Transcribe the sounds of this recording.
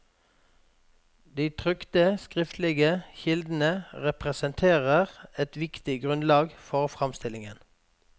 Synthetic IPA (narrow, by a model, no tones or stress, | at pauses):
d̪iːt̪ʰʁʏkt̪əskʁɪft̪lɪɡəçɪld̪n̩əʁɛpʁɛsənt̪ʰeːʁəʁɛt̪ʋɪkt̪ɪɡʁʉnlɑːɡfɔʁfʁɑmst̪ɪlɪŋən